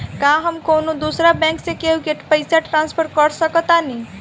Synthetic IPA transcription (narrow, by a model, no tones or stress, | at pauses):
kaɦəmkonod̪usɾabɛ̃ŋksẽkeɦuɡeʈpəɪsaʈɾãnspʰəɾkəɾsəkət̪ani